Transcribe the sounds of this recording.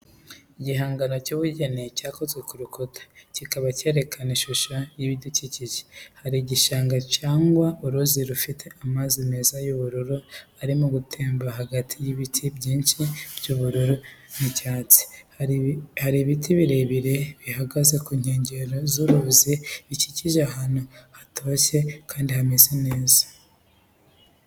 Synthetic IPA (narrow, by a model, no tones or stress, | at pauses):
iɟiɦaːŋɡano̞cuβuɟenicaːko̞ze̞kuɾukotʰḁcikaβace̞ːɾe̞kʰaniʃuʃajiβiduciciʒehaɾiɟiʃaːŋɡacaːŋɡwaʔuɾuziɾufitʰe̞amazimezajuβuɾuɾuaɾimuɡutʰe̞ːmbaɦaɡatʰijiβitʰibɟiːnʃib̥ɟuβuɾuɾunicaːt͡si̥ | haɾiβitʰiβiɾe̞βiɾe̞βihaɡaze̞kuɲhe̞ːɲɟe̞ɾozuɾuziβiciciʒaɦanohatʰo̞ːçe̞kʰaːndihamezene̞ːzḁ